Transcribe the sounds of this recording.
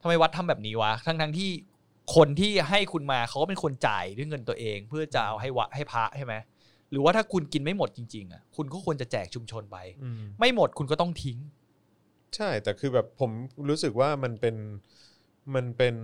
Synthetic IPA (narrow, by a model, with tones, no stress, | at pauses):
t̪ʰa˧mːa˧˩jwa˦˥t̪ʰːa˧mbɛː˨˩p̚niː˦˥wa˦˥t̪ʰa˦˥ŋt̪ʰa˦˥ŋt̪ʰiː˥˩ | kʰo˧nt̪ʰiː˥˩ɦa˥˩jkʰu˧nmaː˧kʰa˦wkːɔ˥pe˧nkʰo˧nt͡ɕa̰ː˨˩jdɯ˥˩jŋɤ˧nt̪u˧ɐʔeː˧ŋpʰɯ˥˩ɐt͡ɕa˨˩ʔa˧wɦa˥˩jwa˦˥t̪̚ha˥˩jpʰa˦˥ʔt͡ɕʰa˥˩jma˦˥j | ɾɯː˩˦waː˥˩t̪ʰa˥˩kʰu˧nki˧nma˥˩jmo˨˩t̪̚t͡ɕi˧ŋt͡ɕi˧ŋʔa̰˨˩kʰu˧nkɔː˥˩kʰu˧ənt͡ɕa˨˩t͡ɕɛː˨˩k̚t͡ɕʰu˧mt͡ɕʰo˧npa˧jma˥˩jmo˨˩t̪̚kʰu˧nkɔː˥˩t̪ɔ˥˩ŋt̪ʰi˦˥ŋ | t͡ɕʰa˥˩jt̪ɛː˨˩kʰɯː˧bɛː˨˩pʰːo˩˦mɾuː˦˥sɯ˨˩k̚waː˥˩ma˧npe˧n | ma˧npe˧n